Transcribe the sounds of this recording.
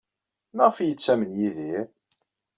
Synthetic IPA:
nəʁfjət͡sːæmənjiðiɾ

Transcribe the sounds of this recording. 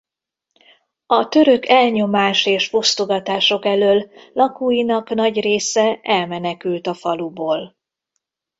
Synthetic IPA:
ɒt̪ø̞ɾø̞kɛlɲo̞maːʃeːʃfust̪oɡɒt̪aːʃo̞kɛløːlːɒkuːjinɒknɒɟreːsɛɛlmɛnɛkylt̪ɒfɒluboːl

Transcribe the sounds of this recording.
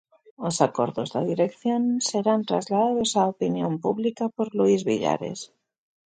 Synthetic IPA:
osako̞ɾðo̞zðeðiɾe̞kθjonse̞ɾant̪ɾa̰zlaðaðo̞saopinjo̞mpuβlikapo̞ɾluizβḭʎa̰ɾe̞̰s

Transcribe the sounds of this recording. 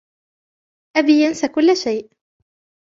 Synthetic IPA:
ʔabiːjansakʊlːaʃajʔ

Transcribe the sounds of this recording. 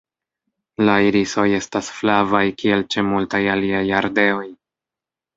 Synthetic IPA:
laiɾiso̞je̞stasflavajkie̞lt͡ʃemultajaliajaɾde̞o̞j

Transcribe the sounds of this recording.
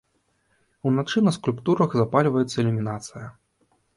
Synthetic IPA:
unat͡ʂɨnɐskulʲpt̪uɾɐɣzapalʲvɐjɛt̪sːɐɛlʲumʲinat̪sɨjɐ

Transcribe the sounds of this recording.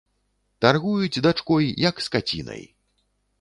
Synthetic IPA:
t̪arɣujut͡sʲd̪at͡ʂkɔjjɐkskat͡sʲḭnɐ̰j

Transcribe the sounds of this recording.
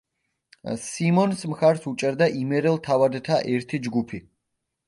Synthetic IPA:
simɔnsmχaɾsut͡ʃʼɛɾd̪aʔimɛɾɛlt̪ʰavad̪t̪ʰaʔɛɾt̪ʰid͡ʒɡupʰi

